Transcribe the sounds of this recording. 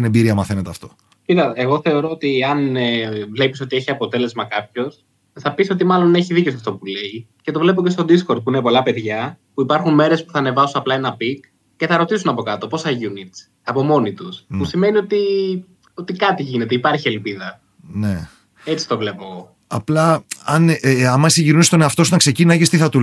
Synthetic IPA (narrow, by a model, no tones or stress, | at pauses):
t̪inembiɾiɐmɐθenet̪eɐft̪o̥ | piðɐeɣo̞θe̞o̞ɾo̞ot̪iɐnvle̞pi̥so̞t̪ie̞çiɐpo̞t̪e̞le̞zmɐkɐpço̞s | θɐpiso̞t̪imɐlone̞çiðiceo̞sɐft̪o̞pule̞i | ce̞t̪o̞vle̞p̬o̞ce̞st̪o̞d̪isko̞ɾd̪̚puinepo̞lɐpe̞ðʝɐpuipɐɾxunme̞ɾe̞spu̥θɐne̞vɐsunɐplɐe̞nɐpik | ce̞θɐɾo̞t̪isunɐpo̞kɐt̪o̞po̞sθɐʝunit͡si̥ɐpo̞mo̞nit̪usmusime̞niot̪i | o̞t̪ikɐt̪iʝine̞t̪eipɐɾçielpiðɐ | ne | e̞t͡si̥t̪o̞vle̞po̞ | ɐ̰plɐɐnɐmɐsiʝiɾust̪oneɐft̪o̞sut̪ɐkse̞cinɐʝist̪iθɐt̪u